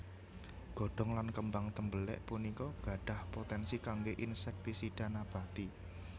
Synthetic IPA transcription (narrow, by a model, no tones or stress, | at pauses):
ɡ̥ɔ̤ɖ̥ɔ̤ŋlankəmbaŋt̪əmbəlɛ̰ʔpunikɔɡ̥ä̤ɖ̥a̤hpot̪ɛnsikaŋɡeʔinsɛk̚t̪isiɖ̥a̤nab̥a̤t̪i